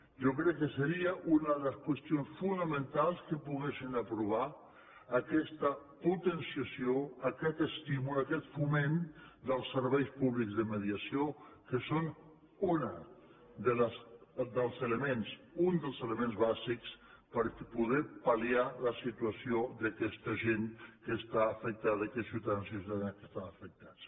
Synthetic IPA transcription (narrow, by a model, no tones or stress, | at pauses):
ʒok̬ɾɛkːəsəɾiəʔunəðələskwəst̪ionsfunəmə̃nt̪alˠskəpuɣesinəpɾuβ̞aː | kɛst̪əput̪ənsiasjoakɛt̪əst̪imulakɛt̪fumend̪əlˠsːəɾβɛjspuβlikzðəməð̞iasiokəson | unə | d̪ələsd̪əlˠzələmensund̪əlˠzələmẽnzβaziks | pəɾpuðɛpalialəsit̪uəsioðəkɛst̪əʒeŋkəst̪aːfək̚t̪aðəkɛsiuwt̪aðansiuut̪aðankəst̪aəfək̚t̪at͡s